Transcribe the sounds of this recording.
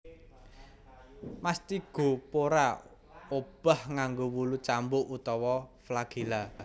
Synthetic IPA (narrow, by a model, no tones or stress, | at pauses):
mast̪iɡ̥o̤poɾa | ob̥a̤hŋaŋɡowulut͡ʃambʊʔut̪ɔwɔflaɡ̥ila